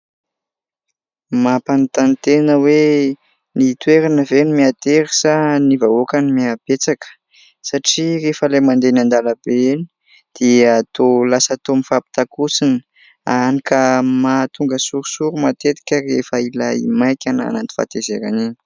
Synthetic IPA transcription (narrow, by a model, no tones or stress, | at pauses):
mapant̪ant̪enəwe | nit̪weɾanəvenimiat̪eɾisənivaokanimiab̥et͡sakə̥ | saʈ͡ʂirefəlajmand̪enand̪alabeni̥ | d̪̥eəːt̪olasat̪omifapi̥t̪akusini̥ | a̰nikəmat̪uŋɡəsuɾusuɾumat̪et̪i̥kʲərefailaḭmajkʲana̰nant̪i̥fa̰t̪ezeɾa̰nini̥